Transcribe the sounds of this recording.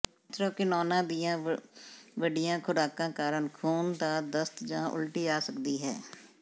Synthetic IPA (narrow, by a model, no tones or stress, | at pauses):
t̪ɾõːkɪnɔːnãːd̪ɪjãː | ʋəɖɪjãːkʰʊɾaːkãːkaːɾənkʰuːnd̪aːd̪əst̪d͡ʒãːʔʊ̰lʈiːaːsəkd̪iːɦɛ̰ː